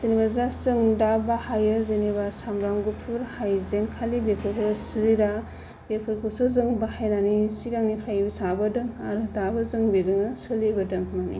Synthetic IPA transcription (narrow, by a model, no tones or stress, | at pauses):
zenibazasɯŋdabahajazenibasamɾaŋɡupʰuɾhajzeŋkʰalibepʰɯɾkʰɯsɯziɾa | bepʰɯɾkʰɯsɯzɯŋbahajnanisiɡaŋnipʰɾajbisabɐdɯŋaɾɯdabɐzɯŋbezɯŋnɐsɯlibɐdɯŋmanḭ